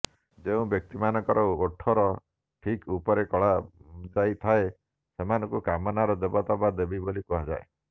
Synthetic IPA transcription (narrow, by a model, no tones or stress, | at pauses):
d͡ʒeũbjɔk̚t̪imanɔŋkɔɾɔoʈʰɔɾɔ | ʈʰikupɔɾekɔɭad͡ʒajt̪ʰae | semanɔ̃ŋkukamɔnaɾɔd̪ebɔt̪ɔbad̪ebibolikɔɦad͡ʒa̰e